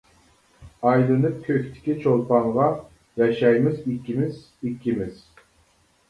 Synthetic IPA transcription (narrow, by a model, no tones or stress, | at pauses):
ɑjlˠɨnɨp̚kʲʰøkʲt̪ʰɪ̥kʲit͡ʃʰolˠpʰɑɴʁɑ | jɑʃɛjmɪzikʲːimɪz̥ | ikʲʰːimɪz̥